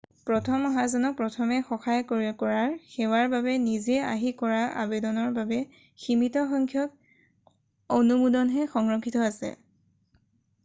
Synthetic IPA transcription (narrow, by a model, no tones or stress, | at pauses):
pɹɔtʰɔmɔɦazɔnɔk̚pɹɔtʰɔmɛxɔxajkoɹkɔɹaɹxɛwaɹbabɛnizɛa̰ɦikɔɹaʔa̰bedɔnɔɹbabɛ | ximitɔxɔŋkʰjɔk̚ | onumudɔnɦɛxɔŋɹɔkʰːitɔasɛ̰